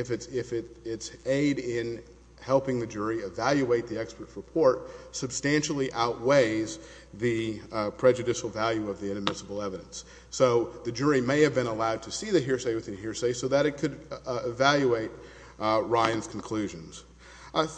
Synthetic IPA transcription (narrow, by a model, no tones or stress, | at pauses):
ɨfɨtɪfɪɾɪtseɪɾɪ̃n | hɛlˠpɪ̃ŋðɨd͡ʒʊɹiɨvælˠjʉeɪt̪̚ðiɛkspə˞t̚ɹəpʰɔɹt̚sɨb̥stæ̃nʃl̩ˠiʔaʊʔ̚weɪz | ðɨpʰɹ̥ɛd͡ʒɨɾɪʃl̩ˠvælˠjʉʌvðiɨ̃nɨmɪsəbl̩ˠɛvɨɾɨ̰̃ns | oʊðɨd͡ʒʊɹimeɪɨvbɨ̃ɾ̃əlaʊd̚tʰɨsiðɨɦɪɹseɪwɨðɨ̃nɦɪɹseɪsoʊðɨɾɨt̚kʰɨdɪvælˠjʉeɪt̚ | ɹãɪɨ̃nz̥kʰn̩kʰl̥ʉʒɨ̃nz̥